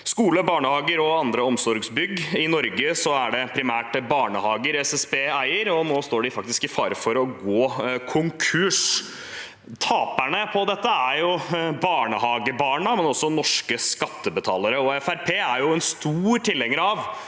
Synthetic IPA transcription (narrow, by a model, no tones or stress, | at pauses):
skuːləbɑːɳəhɑːɡəɾɔɑnd̪ɾəɔmsɔɾɡsbʏɡɪnɔɾɡəsɔæɖɛpʰɾɪmæːʈbɑːɳəhɑːɡəɾɛsɛsbeːæɪəɾɔnoːst̪oːɖɪfɑk̚t̪ɪskɪfɑːɾəfɔɾɔɡoːkʰʊŋkʰʉʂ | t̪ʰɑːpæɳəpʰɔd̪ɛt̪ːəæɾjʊbɑːɳəhɑːɡəbɑːɳəmɛnɔsːɔnɔʂkəskɑt̪ːəbət̪ʰɑːləɾəɔɛfæɾpʰeːæɾjʊɛnst̪uːɾʈɪlːɛŋːəɾɑʋ